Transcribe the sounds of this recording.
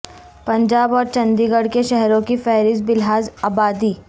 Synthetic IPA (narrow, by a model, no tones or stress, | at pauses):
pɐ̃ɲd͡ʒaːbɔːɾt͡ʃɐ̃nd̪iɡəɽkeʃɛɦɾõkifɛːɦɾɪsbɪlɦaːzaːbaːd̪iː